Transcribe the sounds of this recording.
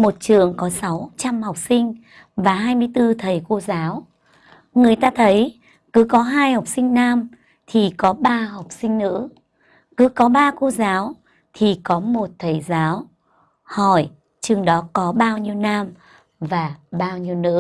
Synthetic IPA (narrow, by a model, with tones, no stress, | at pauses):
mo˨˩t̚t͡ɕɨ̰˨˩əŋkɔ˨˦sa˨˦wt͡ɕa˧mha˨˩wk͡p̚sï˧ŋ̟ | vaː˨˩ɦaː˧jmɨ˧əjt̪ɨ˧t̪ʰə˨˩jko˧zaː˨˦w | ŋɨ˨˩əjt̪aː˧t̪ʰə˨˦j | kɨ˨˦kɔ˨˦ɦaː˧jha˨˩wk͡p̚sï˧ŋ̟naː˧m | t̪ʰi˨˩kɔ˨˦ɓaː˧ɦa˨˩wk͡p̚sï˧ŋ̟nɨ̰˧˥ | kɨ˨˦kɔ˨˦ɓaː˧ko˧zaː˨˦w | t̪ʰi˨˩kɔ˨˦mo˨˩t̚t̪ʰə˨˩jzaː˨˦w | hɔ˨˩j | t͡ɕɨ˨˩əŋɗɔ˨˦kɔ˨˦ɓaː˧wɲi˧əwnaː˧m | vaː˨˩ɓaː˧wɲi˧əwnɨ̰˧˥ə